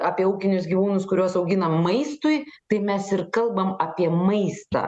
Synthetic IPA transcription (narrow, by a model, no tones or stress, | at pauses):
aːpʲiɛuːkʲɪnʲʊsɡʲiːʋuːnʊskʊɾʲuɔsɐʊɡʲɪnɐmɐɪst̪ʊɪt̪ɐɪmʲɛsɪrkɐlˠbɐmɐpʲiɛmɐɪst̪ɐ̰ː